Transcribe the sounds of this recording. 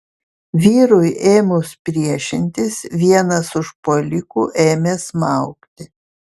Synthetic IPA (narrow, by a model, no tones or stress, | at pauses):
ʋʲiːɾʊjeːmʊspʲɾʲiɛʃʲɪnʲt̪ʲɪsʋʲiɛnɐsʊʃpolʲɪkuːʔeːmʲeːsmɑʊkt̪ʲɪ